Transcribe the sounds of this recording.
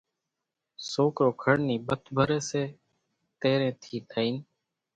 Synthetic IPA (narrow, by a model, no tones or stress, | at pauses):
soːkɾoːkʰəɽniːbət̪ʰbʱəɾeːseː | t̪eːɾẽːt̪ʰiːt̪ʰaːiːn